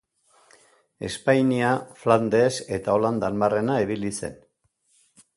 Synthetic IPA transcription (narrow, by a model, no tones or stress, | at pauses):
e̞̰spajniafland̪e̞se̞t̪ao̞land̪anbare̞naiβilise̞̰n